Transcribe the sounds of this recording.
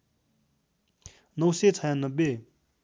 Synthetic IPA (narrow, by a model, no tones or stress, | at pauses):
noset͡sʰajanəbe